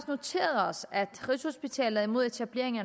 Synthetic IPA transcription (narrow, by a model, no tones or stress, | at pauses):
sno̝t͡sʰe̝̰ːɐð̩ˠɒ̽sæd̥ʁisho̝sb̥it͡sʰɛ̰ːlð̩ˠimo̝ð̞ˠe̝t͡sʰæb̥le̝ɐ̰e̝ŋɐ